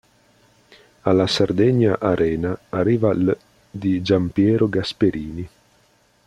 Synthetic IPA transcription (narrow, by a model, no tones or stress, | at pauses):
alːasard̪ɛɲːaʔaɾʔɛːnaːrːiːval | d̪id͡ʒampjɛːɾoɡaspeɾʔiːni